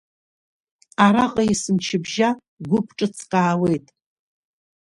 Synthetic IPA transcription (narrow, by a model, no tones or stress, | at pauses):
aɾaqʼaisɨmt͡ʃʰɪbʒa | ɡʷʊpʰʈ͡ʂʼɨt͡sʰqʼaːwe̞jtʼ